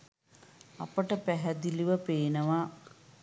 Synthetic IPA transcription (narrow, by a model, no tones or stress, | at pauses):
a̰pəʈəpæɦæd̪iliʋəpeːnəʋa